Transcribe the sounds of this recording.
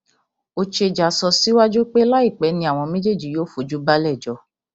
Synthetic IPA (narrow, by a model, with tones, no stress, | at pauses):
o˧t͡ʃe˧d͡ʒa˨sɔ˧si˨˦wa˦d͡ʒu˦k͡pe˦la˦i˦˨k͡pɛ˨˦nĩ˧a˨w̃ɔ̃˧mẽ˦d͡ʒe˦˨d͡ʒi˨˦joː˦fu˨˦d͡ʒu˦ba˦lɛ˦˨d͡ʒɔ˧˦